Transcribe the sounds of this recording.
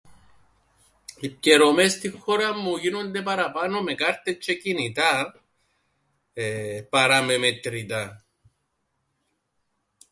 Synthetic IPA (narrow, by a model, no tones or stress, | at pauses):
ip̚ceɾo̞me̞st̪ixːo̞ɾɐmːuʝino̞nd̪e̞pɐɾɐpɐno̞me̞kɐɾt̪et͡ʃːecinit̪ɐ | pɐɾɐme̞met̪ɾit̪ɐ